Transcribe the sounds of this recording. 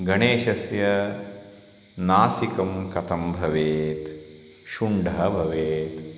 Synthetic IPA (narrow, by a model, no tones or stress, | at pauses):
ɡɐɳeːʃɐsjɐ | naːsikɐmkɐt̪ɐmbʱɐʋeːt̪ | ʃuɳɖɐɦɐbʱɐʋeːt̪